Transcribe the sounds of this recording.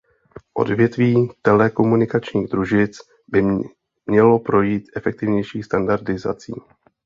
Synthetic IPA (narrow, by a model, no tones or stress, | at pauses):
ʔo̞̰dvjɛt̪viːt̪ɛlɛko̞munɪkat͡ʃɲiːɣd̪ɾuʒɪt͡s | bɪ | mɲɛlo̞pɾo̞jiːt̪ʔɛfɛk̚t̪ɪvɲɛjʃiːst̪andaɾdɪza̰t͡sḭː